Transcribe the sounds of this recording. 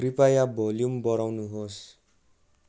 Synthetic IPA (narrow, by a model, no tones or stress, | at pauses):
ripajabʱʌljumbʌɾawnuɦos